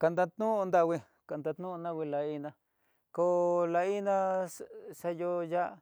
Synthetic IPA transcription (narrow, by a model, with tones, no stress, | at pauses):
ka˧nd̪a˧t̪nũ˦˧nd̪a˧wʷi˧ | ka˨nd̪a˧t̪nũ˦˧nã˦˧wi˧la˧i˧nã˧ | ko˧˦la˧i˦nã˦˧ | sa˧jo˧ja˦˧